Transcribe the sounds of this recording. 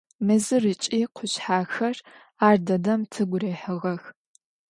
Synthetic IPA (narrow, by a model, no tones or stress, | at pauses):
mɨzɨrɨt͡ʃʼiːqʷʰʊɕħaːxɐr | aːrdɐdɐmtʰɨɡʷʊreːħɨʁɐx